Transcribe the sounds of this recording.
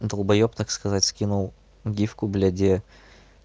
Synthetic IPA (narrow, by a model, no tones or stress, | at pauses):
d̪əlˠbɐjopt̪akskɐzatʲskʲinʊlˠ | ɡʲifkʊblʲɛdʲe